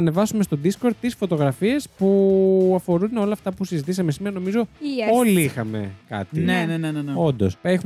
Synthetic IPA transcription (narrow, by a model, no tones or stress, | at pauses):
ɐne̞vɐsume̞st̪o̞d̪isko̞ɾd̪̚t̪ːisfo̞t̪o̞ɣɾɐfie̞spuɐfo̞ɾuno̞lɐːft̪ɐpusizit̪isɐme̞simeɾɐno̞mizo̞o̞liixɐme̞̰kɐ̰t̪ineneneneneo̞nd̪o̞̰sexu